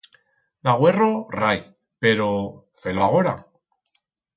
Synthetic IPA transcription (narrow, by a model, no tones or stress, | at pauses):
ðaɣwe̞roraj | pe̞ɾo | feloaɣ̞oɾa̰